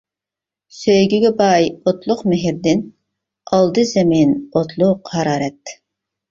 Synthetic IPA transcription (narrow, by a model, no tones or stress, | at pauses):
søjɡʲiɡʲɛbɑjot̪lˠʊqmɪɦɪɾd̪ɪn | ɑlˠd̪ɨzɛminot̪ʰlˠʊqhɑɾɑːɾɛt̪